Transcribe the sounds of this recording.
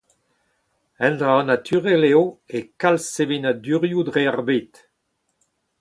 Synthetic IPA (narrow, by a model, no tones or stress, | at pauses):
ɛ̃nd̪ʁanat̪ʰyʁɛleoekalsevenad̪yʁjud̪ʁeaʁbet̪